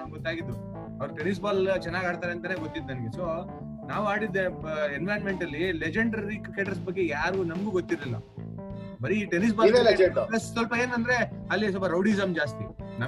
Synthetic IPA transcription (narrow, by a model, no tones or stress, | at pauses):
ɐɡɔt̪ːaːɡid̪ːu | ɐʋɐɾuʈenis̬baːlt͡ʃɛnːaːɡaːɽt̪aːɾeɐnt̪aːneɡot̪ːid̪nɐnɐɡeso̞ː | naːʋuaːɽid̪ːeenʋaːjɐnmeɳʈɐlːiled͡ʒeɳɖɾikkeːʈɐɾs̬bɐɡːe̞jaːɾunɐmɡuːɡot̪ːiɾlilːɐ̰ | bɐɾiʈenis̬baːleled͡ʒepɐsʋɐlpɐe̞ːnɐnd̪ɾe̞ | ɐlːis̬ɔpɐɾɐwɽizɐmd͡ʒaːst̪ḭnɐ